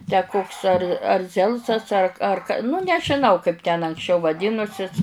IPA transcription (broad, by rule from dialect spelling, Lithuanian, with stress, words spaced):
tʲæː ˈkoːks ɐr ɐr ˈzʲɛlˠsɐs ɐr ˈɐr nʊ nʲɛʒʲɪˈnɐʊ kɐɪp tʲɛn ɐŋksʲˈt͡ʃʲɛʊ ʋɐˈdʲiːnʊsʲɪs